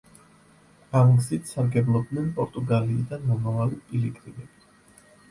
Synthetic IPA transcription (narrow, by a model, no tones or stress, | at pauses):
amɡzit̪ʰsaɾɡɛblˠɔb̪̚nɛnpʼɔɾt̪ʼuɡaliːd̪anːɔmavaliilikʼɾinɛbi